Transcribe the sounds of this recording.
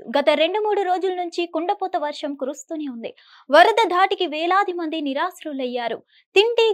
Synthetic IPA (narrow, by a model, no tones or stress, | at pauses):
ɡɐt̪ɐɾe̞ɳɖumuːɽuɾo̞ːd͡ʒulɐnuɲt͡ʃikuɳɖɐpɔːt̪ɐʋɐɾʂɐmkuɾust̪uːneːund̪i | ʋɐɾɐd̪ɐd̪ʱaːʈikiʋɛːlaːd̪ʱimɐnd̪iniɾaːsɾulɐjːaːɾu | t̪iɳʈiː